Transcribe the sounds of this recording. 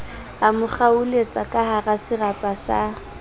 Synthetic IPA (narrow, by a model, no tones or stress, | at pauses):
amʊχaulet͡sʼakʼaɦarasɪrapʼasa